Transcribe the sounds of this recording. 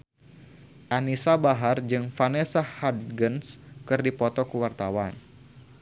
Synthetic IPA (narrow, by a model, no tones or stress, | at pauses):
ʔanisabaɦard͡ʒɨŋfanesahad̪ɡənskɨrdipɔt̪ɔkəwart̪awan